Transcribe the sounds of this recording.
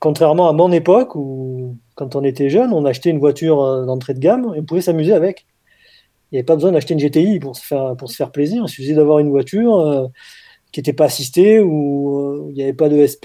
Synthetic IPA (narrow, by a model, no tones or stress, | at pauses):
kɔ̃t̪χɛʁmɑ̃amɔ̃nepɔkukɑ̃t̪ɔ̃net̪ɛʒœnɔ̃naʃt̪eynvwat̪ʰyʁød̪ɑ̃t̪χed̪əɡameɔ̃puvɛsamyzeavɛk | iljavɛpabəzwɛ̃d̪aʃt̪eynʒet̪eipuʁsə̥fɛʁpuʁsə̥fɛʁpleziʁsəfəzɛd̪avwaʁynvwat̪yʁø | kʲiet̪ɛpaːsist̪euøiljavɛpad̪əɛsp